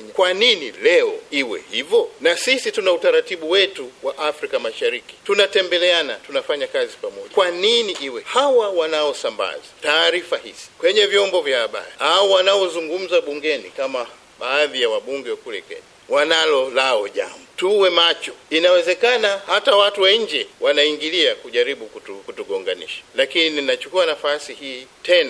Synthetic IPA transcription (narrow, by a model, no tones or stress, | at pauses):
ɲkwaninilɛɔiwɛ̰hivɔnasisitunautaɾatiɓuwɛtuwaʔafɾikamaʃaɾiki̥tunatɛmbɛlɛanatunafaɲakazipamɔʄakwaniniʔiwɛhawawanaɔsamba̰zataːɾifahisi̥kwɛɲɛvjɔmbɔvjaaɓa̰ɾiauwanaɔzuŋɡum̩zaɓuŋɡɛnikama | ɓaːðijawaɓuŋɡɛwkulɛkwɛ̰ɲa | wanalɔlaɔʄa̰mbutuwɛmat͡ʃɔinawɛzɛkanahatawatuwɛɲ̩d͡ʒɛwʔanaiŋɡiliakuʄaɾiɓukutukutuɡɔŋɡanḭʃḁlakininat͡ʃu̥kuanafasihiːtɛna